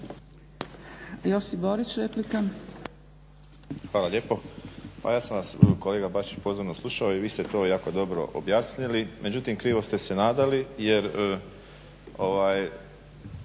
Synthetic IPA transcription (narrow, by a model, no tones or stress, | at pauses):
josiboɾit͡ʃɾeplika | xʋaːlaʎeːpo̞pa̰jaːsamʋasko̞le̞ːɡabat͡ʃi̥t͡ɕpozoɾnoslˠuʃaoiʋiːst̪e̞t̪o̞ːjaːko̞d̪o̞bɾo̞̰ʔo̰bjaːsnilimʔe̞d͡ʑut̪imkɾiːʋo̞st̪e̞se̞naːd̪alije̞ɾə | o̞ʋaːj